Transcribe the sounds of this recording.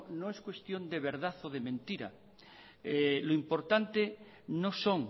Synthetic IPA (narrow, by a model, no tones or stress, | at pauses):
noeskwe̞st̪jõ̞nd̪eβ̞eɾðaθoð̞emẽnt̪iɾa̰ | eloimpoɾt̪ant̪e | nosoŋ